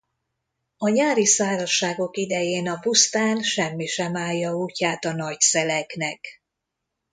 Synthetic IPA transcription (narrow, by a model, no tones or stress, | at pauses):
ɒɲaːɾisaːɾɒʃːaːɡo̞kid̪ɛjeːnɒpust̪aːnʃɛmːiʃɛmaːjjːɒuːcaːt̪ɒnɒcsɛlɛknɛk